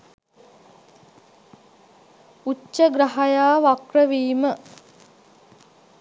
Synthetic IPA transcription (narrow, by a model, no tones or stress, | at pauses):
ut͡ʃːəɡɾaɦajaːʋakrəʋiːmə